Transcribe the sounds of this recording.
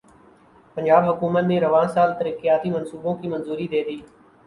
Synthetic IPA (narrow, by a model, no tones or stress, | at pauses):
pənd͡ʒaːbɦʊkuːmət̪nẽːɾəʋãːsaːlt̪əɾiːkeːaːt̪iːmənsuːbõːkiːmənzuːɾiːd̪eːd̪iː